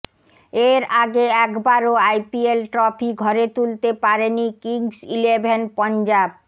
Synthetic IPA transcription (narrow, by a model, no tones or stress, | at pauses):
eɾaɡeɛkbaɾoajpielʈɾɔpʰiɡʱɔɾet̪ult̪epaɾenikiŋsilebʱenpɔnd͡ʑab̚